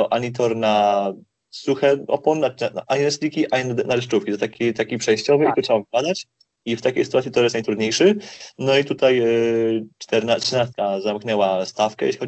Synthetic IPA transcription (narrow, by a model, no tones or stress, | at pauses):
ɔʔaɲit̪̬ɔɾna | suxɛɔ̰pɔnːaaʔaɲinɛspʲlʲikʲiʔainnaɾɘʂt͡ʂufkʲit̪ɔt̪akʲit̪akʲipʂɛjɕt͡ɕɔvɘit̪utʂɛbavɡad̪at͡ɕ | ift̪akʲejsɘt̪uat̪sʲit̪ɔjɛst̪najt̪ɾud̪ɲejʂɘnɔit̪ut̪aj | t͡ʂt̪ɛɾnatʂnast̪kazamknɛwast̪afkɛ̰jḛɕʲlixɔ